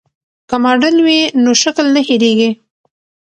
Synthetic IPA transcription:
kəmɑɖəlwinoʃaklnəheɾeɡi

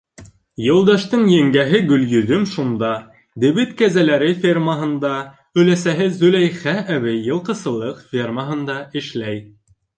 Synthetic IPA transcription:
jɤ̆lˠd̪ɑʃt̪ɤɴjæŋɡæɦɘɡɵ̆ljɵ̆ðɵmʃund̪ɑ | d̪ɘ̆βɘt̪kæzælæɾɘfʲermaɦɤ̆nd̪ɑ | ɵ̆læsæɦɘzɵlæjχæʔæβɘːɤ̆lˠqɤ̆sɤ̆lˠɤqfʲerməɦɤ̆nd̪ɑɘ̆ʃlæj

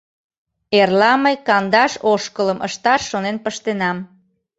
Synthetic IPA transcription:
erlɑməjkɑnd̪ɑʃoʃkələmʔə̰ʃt̪ɑʃːonenpəʃt̪enɑm

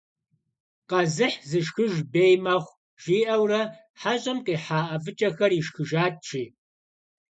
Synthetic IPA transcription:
qɐzɨħzɨʃxɨʒbeːjmɐχʷ | ʒ̥iːʔɐwrɐ | ħaʑʼɐmqʼiːħaːʔɐvɨt͡ʃʼɐxɐriʃxɨʒaːtt͡ʃʰʼiː

